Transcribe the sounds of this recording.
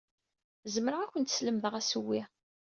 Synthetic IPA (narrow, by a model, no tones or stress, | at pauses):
zməɾʁækʷənt̪sləmðəʁæsəwːi